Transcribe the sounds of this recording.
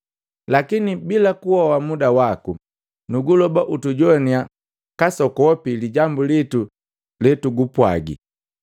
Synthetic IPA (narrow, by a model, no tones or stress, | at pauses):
lakinibilakuhɔwamudawaku | nuɡulɔbaʔutuɟɔnia | kasɔkɔwɔpiliɟambulitu | lɛtuɡupwa̰ɡḭ